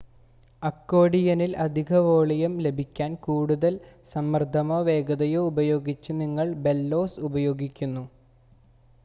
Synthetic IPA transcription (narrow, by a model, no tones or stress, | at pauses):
ɐkːo̞ːɽijɐnilɐd̪ʱiɣɐʋo̞ːɭijɐmle̞bʱikʲːaːnkuːɽuðɐlsɐmːɐrd̪ʱɐmoʋe̞ːɡɐðɐjoubɐjo̞ːɡit͡ɕːɨniŋːɐɭbe̞lːo̞ːsubɐjo̞ːɡikʲːunːu